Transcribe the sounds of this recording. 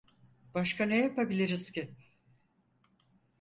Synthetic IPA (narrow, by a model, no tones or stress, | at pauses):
b̥aʃkʰanejapabilʲiɾiz̥cɪ